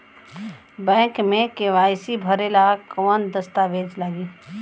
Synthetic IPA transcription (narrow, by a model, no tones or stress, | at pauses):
bɛ̃ːŋkmẽkeʋaːjsibʱəɾelakɔːnd̪əst̪aʋeːd͡ʒlaɡiː